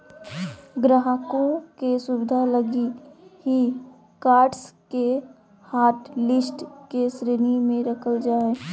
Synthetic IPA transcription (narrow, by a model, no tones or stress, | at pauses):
ɡɾəɦəkõkesʊʋɪd̪ʱaləɡiɦi | kaːɾʈske | haːʈlɪsʈkesɾeːnimẽɾəkʰəld͡ʒaːe